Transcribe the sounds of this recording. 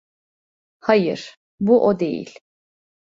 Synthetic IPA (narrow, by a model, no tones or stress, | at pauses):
hajɯɾ̥ | buʔod̪e̞̰jḭlʲ